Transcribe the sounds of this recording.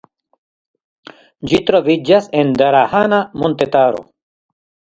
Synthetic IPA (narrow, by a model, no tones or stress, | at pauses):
d͡ʒit̪ɾovid͡ʒasend̪aɾahanamont̪et̪aɾo̰